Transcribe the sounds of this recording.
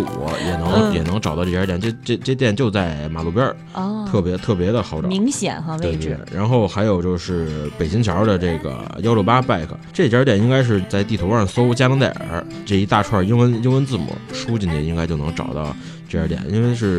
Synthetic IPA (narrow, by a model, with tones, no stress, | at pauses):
jɛ˨˩nɤ˧˥ŋjɛ˨˩nɤ˧˥ŋʈ͡ʂt̪ɑ˥˧ʈ͡ʂɤ˥˩jə˞˧˥tjnt͡ɕɤ˥˧˩ʈ͡ʂe˥˧ʈ͡ʂe˥˧t̪jɛ˥˩nt͡ɕjo˥˧ʊt͡sa˥˩ɪma˨˩lu˥˩pjɐ˞˥ | t̪ʰɤ˥˩pjɛ˧˥t̪ʰɤ˥˩pjɛ˧˥d̪ə˧xɑ˧˥ʊʈ͡ʂɑ˨i˧˥ŋɕjɛ̰˨˩n˧˥twe˥˧te˥˩˥ɻa˧˥nxo˥˩ʊxa˧˥ɪjo˨˩ʊt͡ɕjo˥˧ʊʂɻ̩˥˩pe˨˩ɪt͡ɕi˧˥ŋt͡ɕʰjɑ˧˥d̪ə˨ʈ͡ʂɤ˥˩ɡə̰˩jɑ˥ʊljo˥˧ʊpa˥pa˥˩ɪkʰə̰˨˩ʈ͡ʂɤ˥˩jə˥t̪jɛ˨˩ni˥ŋka˥ɪʂ̬ɻ̩˥˧t͡sa˥˧ɪt̪i˥˩t̪ʰo˧˥wa˞˥˩so˥ʊt͡ɕja˥nɤ˧˥ŋt̪a˥˩ə̰˧˥ | ʈ͡ʂɤ˥˩i˧˥t̪a˥˧ʈ͡ʂʰwa˥˩i˥nwə˥ni˥nwə˥nt͡sɹ̩˥˩mṵ˨˧˩ʂu˥t͡ɕi˥˩nt̪jɛ˥˩ni˥ŋkɪt͡ɕjo˥˩ʊn˧˥ŋʈ͡ʂɑ̰˨˩ʊt̪ɑ̰˥˧ʊ | ʈ͡ʂɤ˥˩jə̰˞˧˥t̪jɛ̰˨˩˦ni˥nwe˥˧ɪʂɻ̩˥˩